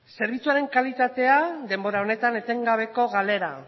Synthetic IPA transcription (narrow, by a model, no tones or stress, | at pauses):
se̞ɾβ̞it͡suaɾe̞ŋkalit̪at̪e̞ad̪e̞mbo̞ɾao̞ne̞t̪ane̞t̪e̞ŋɡaβ̞e̞ko̞ɣale̞ɾa